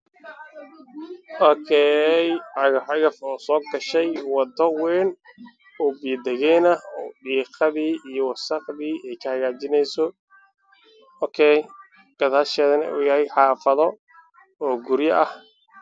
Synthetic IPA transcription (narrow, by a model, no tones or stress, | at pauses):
ʔɔːkʰɛːjʕɑɣɐħɑɣɐfɔːsɔːɡɐʃɛjwɑd̪ɔwɛːn | ʊbiːd̪ɛɣɛnɐɖiːqɑðiːijɔwɑsɑqðiːɛjkʰɐhɐɣaːt͡ʃɪnɛjsɔ | ɔːkʰɛj | ɡ̥ɐðhɐʃɛːðɐnɐṵːjɐhɛjħɑːfɐðɔ | ɔːɡʊɾjɐʔɐh